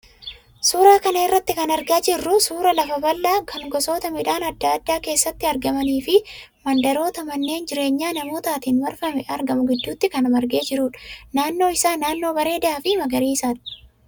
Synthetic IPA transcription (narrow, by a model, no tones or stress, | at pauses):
suːɾaːkɐnɐɪrːɐt̪ːɪkɐnɐɾɡaːd͡ʒɪrːʊsuːɾɐlɐfɐbɐlːaːkʰɐŋɡɔso̞ːt̪ɐmɪᶑaːnɐd̪ːaːd̪ːaːke̞ːsːɐt̪ːɪɐɾɡɐmɐniːfɪ | mɐnd̪ɐɾo̞ːt̪ɐmɐnːe̞ːnd͡ʒɪɾe̞ːɲːaːnɐmo̞ːt̪aːt̪iːnmɐɾfɐmɛʔɐɾɡɐmʊɡɪd̪ːuːt̪ːɪkɐnɐmɐɾɡe̞ːd͡ʒɪɾuːᶑɐ̥naːnːo̞ːɪsaːnaːnːo̞ːbɐɾe̞ːd̪ɐaːfɪmɐɡɐɾiːɪsaːᶑɐ̥